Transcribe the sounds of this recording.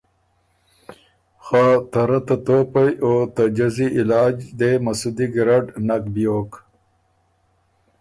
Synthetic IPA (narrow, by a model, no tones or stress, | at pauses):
xat̪ɐɾat̪at̪oːpɐjoːt̪ɐd͡ʒɐziʔɪlaːd͡ʒd̪emɐsud̪iɡɾaɖnɐkbijoːk